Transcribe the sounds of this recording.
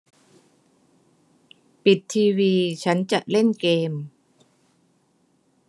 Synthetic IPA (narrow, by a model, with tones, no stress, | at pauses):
pi˨˩t̪ʰːiː˧wiː˧t͡ɕʰa˦˥nt͡ɕa˨˩ʔle˥˩nkeː˧m